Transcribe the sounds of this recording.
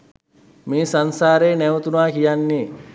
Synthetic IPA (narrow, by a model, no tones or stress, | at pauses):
meːsansaːɾeːnɛʋut̪unaːkijanːeː